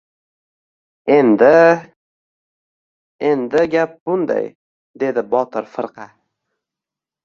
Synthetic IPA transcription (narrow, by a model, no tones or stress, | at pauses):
end̪ɪ | end̪ɪɡʲap̚bʊnd̪a̰j | d̪e̞d̪ɪbɒt̪ʰɪɾfɨɾqʰɑ